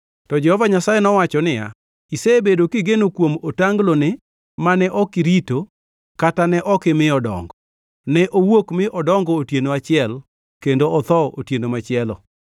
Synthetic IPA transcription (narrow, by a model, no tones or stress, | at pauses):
tɔd͡ʒɛhɔvaɲasajenɔwat͡ʃɔnɪja̰ | iseebedokɪɡenokwomotaŋɡlonɪ | manɛʔɔkɪɾito | katanɛʔɔkɪmɪɔdɔ̰ŋɡɔ | nɛʔowokmɪʔɔdɔŋɡɔːtjenoat͡ʃɪɛl | kendoɔt̪ɔotjenomat͡ʃɪɛlɔ̰